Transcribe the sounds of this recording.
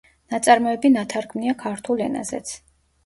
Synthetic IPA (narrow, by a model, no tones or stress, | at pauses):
nat̪sʼaɾmɔɛbinat̪ʰaɾɡʰmniakʰaɾt̪ʰulɛ̰na̰z̥ɛ̰t̪sʰ